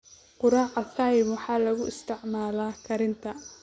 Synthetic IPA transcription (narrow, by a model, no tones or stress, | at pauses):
qʊɾaːʕɐfaːjɪbwɑħɑːlɐɣʊʔɪst̪ʰɪʕmaːlaːkʰɐɾɪnt̪ʰɐ